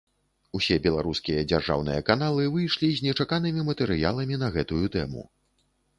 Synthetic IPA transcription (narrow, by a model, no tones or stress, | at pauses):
usʲɛbʲɛlˠaɾuskʲijɐd͡zʲarʐa̰wnɨ̰jɐkanalˠɨvɨjʂlʲizʲnʲɛt͡ʂakan̪ɨmʲimɐt̪ɛɾɨja̰lˠɐmʲin̪ɐɣɛt̪ujut̪ɛmṵ